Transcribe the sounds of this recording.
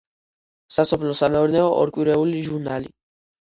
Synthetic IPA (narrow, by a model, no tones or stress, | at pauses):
sasɔpʰlɔsamɛɔɾnɛɔʔɔ̰ɾkʼwiɾɛuliʒuɾnali